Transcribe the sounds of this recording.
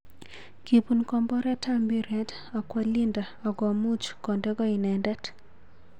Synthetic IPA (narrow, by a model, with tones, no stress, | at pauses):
ki˨pu˨nkɔ˨mbɔ˦ɾɛ˦ta˦mbi˦ɾɛ˨t | ɔ˨kwa˨li˦nda˨ɔ˨ɡɔ˨mu˦t͡ʃkɔ˨ndɛ˦ɡɔ˦i˨nɛ˨ndɛ˦t